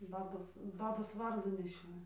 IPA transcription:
ˈbɑːboːs ˈbɑːboːs ˈʋɐrduː nʲɛˈʃʲoːjʊ

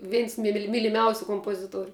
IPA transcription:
ˈʋʲɛɪns mʲɪlʲɪ mʲiːlʲɪˈmʲɛʊsʲʊ koːmpoːˈzʲɪtuɔrʲʊ

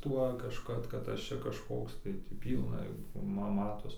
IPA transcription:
ˈtuɔ kɐʃˈkɐt kɐt ˈɐʃ t͡ʃʲɛ kɐʃˈkoːks tɐɪ tʲiː ˈpʲiːlˠnɐ ˈmɐ ˈmɑːtoːs

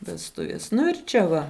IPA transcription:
ʋʲɛsˈtʊʋʲiɛs ˈnʊ ɪr ˈt͡ʃʲɛ ˈʋɐ

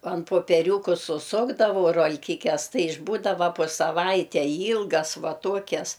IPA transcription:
ɐn poːpʲɛˈrʲuːkʊ sʊˈsʊɡdɐʋɐʊ roːlʲˈkʲɪkʲɛs ˈtɐɪ ɪʒˈbuːdɐʋɐ poː sɐˈʋɐɪtʲɛɪ ˈiːlˠɡɐs ˈʋɐ ˈtuɔkʲɛs

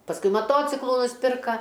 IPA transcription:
pɐsˈkʊɪ mɐˈtoːt͡sʲɪklˠʊ nʊsʲˈpʲɪrkɐ

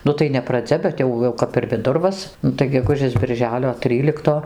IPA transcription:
ˈnʊ tɐɪ nʲɛ prɐˈd͡zʲɛ bʲɛt ˈjɛʊ jɛʊ kɐp ɪr ʋʲɪˈdʊrʋɐs ˈnʊ tɐɪ ɡʲɛˈɡʊʒʲeːs bʲɪrʲˈʒʲæːlʲoː ˈtʲrʲiːlʲɪktoː

